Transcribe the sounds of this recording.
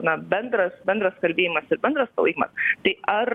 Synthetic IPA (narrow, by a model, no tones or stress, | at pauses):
nɐbʲɛnd̪ɾɐsbʲɛnd̪ɾɐskɐlʲbʲeːjimɐsɪɾbʲɛnd̪ɾɐspɐ̰lˠɐɪkʲmɐ̰st̪ɐɪʔɐɾ